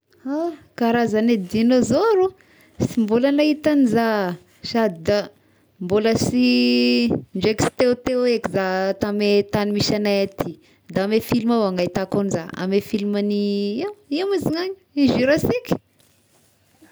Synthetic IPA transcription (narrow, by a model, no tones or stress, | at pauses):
akaɾazaned̪inozoɾu | simbulanait̪aniza | sad̪id̪a | mboləsi | ɳd͡ʒeksi̥t̪eut̪ewekizat̪amet̪animiʃanajat̪ʰi | d̪amefilimawaŋait̪akoniza̰a̰mefilimaniwimiziŋaɲiiʒiɾasikʲ